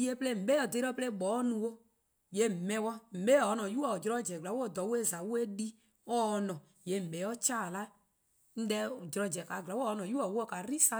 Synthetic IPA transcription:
i˦e˦ple˦˨m̩˨ɓe˦ɔ˨d̪e˧˦ɾɔ˦ple˦˨ɡ͡bɔ˨˦nũ˨˧wo˦ | je˨˦m̩˨mɛ̃˧wɔ˦m̩˨be˦˨ɔ˨˦nɔ̃˨ju˦ɔ˨d͡ʒɾɔ˧˦d͡ʒɛ˨ɡla˨˦wɔ˦˨d̪ɔ˨˦wu˦e˦˨za˨wu˦e˦di˦ | ɔː˦˧nɔ̃˨ | je˨m̩˨bɛ˨˦ɔ˦t͡ʃaː˦˨la˦ | n̩˦dɛ˦˨d͡ʒɾɔ˧d͡ʒɛ˨ka˨ɡla˨˦wnɔ̃˨ju˦ɔ˨u˦ɔ˦ka˨ɾi˦sa˦

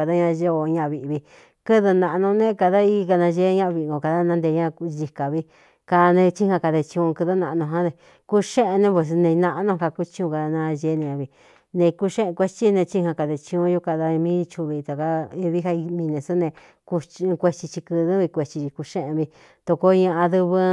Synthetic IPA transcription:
a˧ða˦ɲã˧ʒo˦˧o˧ɲã˧˨βi˧βi˧ | kɨ˦ðɨ˧nã˧ʔnũ˧nẽ˦ka˧ða˦i˧ka˧nã˧ʒe˦ɲã˦˧βi˧˨˧ɡo˧˨ka˧ða˦nã˧˦nd̪e˧ɲã˦˧ʒi˧ka˨βi˧ | ka˧nẽ˧t͡ʃi˦hã˧ka˧ðe˧t͡ʃĩ˧ũ˧kɨ˧ðɨ˦nã˧ʔnõ˧ɦã˦ðe˧ | ku˦ʃẽ˦ʔe˧nẽ˧p̬ʷe˧˨s̬nẽ˧nã˧ʔnõ˧ka˧ku˦t͡ʃĩ˧ũ˧ka˧ða˧nã˧ʒe˧˦˧nẽ˧ɲã˧βi˧ | nẽ˧ku˧ʃẽ˦ʔẽ˧kʷe˧˦t͡ʃi˦˧nẽ˧t͡ʃi˦hã˧ka˧ðe˧t͡ʃĩ˧ũ˧˦ju˦ka˧ða˧mĩ˦t͡ʃu˧βi˧t̪a˨ka˧i˧βi˦ha˧i˧mĩ˧nẽ˧˨su˦nẽ˧ | ku˧kʷe˧t͡ʃi˧t͡ʃi˧kɨ˧ðɨ˦βi˧kʷe˧t͡ʃi˧t͡ʃi˧ku˧ʃẽ˦ʔẽ˧βi˧ | t̪o˧ko˧˦ɲã˧ʔã˧ðɨ˧βɨ˧

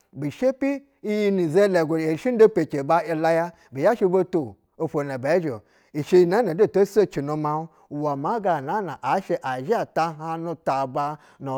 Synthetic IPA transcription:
bi˨ʃe˦pi˦ | i˦ji˧ni˨ze˦le˨ɡʷo˨e˨ʃi˦n˦do˦pe˨t͡ʃe˨ba˦i˧la˦ja˦ | bi˨ja˦ʃi˦˧˦bo˦to˨ | o˧fo˨na˨ba˨˦ʒo˨ | i˨ʃe˧i˧na˨˦no˨˦do˦˨to˦so˦t͡ʃi˨no˨ma˦˨ | wa˨ma˦ɡa˨na˨˦na˨ʔa˨˦ʃe˦ʔa˨ʒi˦a˨ta˧ɦa˦no˧ta˨ba˧ | no˨

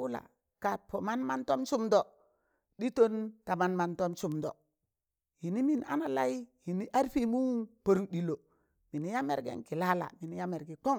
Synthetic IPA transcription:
wu˦la̰˨ | ka˨t̚pʰo˨ma˦nma˦nto˦msu˦mdo˨ | ɗi˦to˦nta˨ma˨nma˨nto˦msu˨mdo̰˨ | hi˨ni˦mi˨na̰˦na˨la˦i˦hi˨ni˦ʔa˦ɾfi˦mu˦po˨ɾu˦di˨lo˨ | mi˨ni˦ja˦mḛ˦ɾɡḛ˦ŋki˨la˦la̰˨mi˨ni˦ja˦me˨ɾɡi˨k͡po˦ŋ

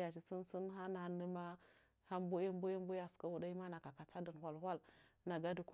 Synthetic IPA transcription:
ja˨t͡ʃi˨si˦nsi˦nɦa˦na˨nə˦ma˦ | ha˦mbo˦ja˦mbo˦ja˦m˦bu˦ja˨su̥˨ka˦wu˨da˦ji˦ma˦na˨ka˨ka˨t͡sa˦di˨n˨wʷa˨lhʷwa˦lna˨ɡa˦di˨ku˦

